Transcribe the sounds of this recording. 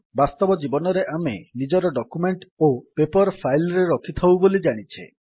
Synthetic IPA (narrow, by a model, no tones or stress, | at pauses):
bast̪ɔbɔd͡ʒibɔnɔɾeʔamenid͡ʒɔɾɔɖɔkumeɳʈopepɔɾpʰajlɾeɾɔkʰit̪ʰawbolid͡ʒaɽ̃it͡ʃʰḛ